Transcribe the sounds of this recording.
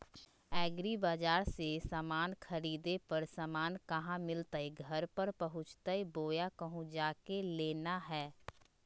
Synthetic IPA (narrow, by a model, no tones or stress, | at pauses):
ɛːɡɾibaːd͡ʒaːɾsesaːmaːnkʰəɾiːd̪epəɾsamaːnkɐɦãmɪlt̪aiɡʱəɾpəɾpəɦʊ̃t͡ʃt̪əiboːjakəɦũd͡ʒaːkeleːnaɦɛː